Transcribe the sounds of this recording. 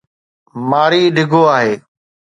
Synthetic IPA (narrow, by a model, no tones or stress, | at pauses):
maːɾiːɖʱɪɡʱoːaːɦeː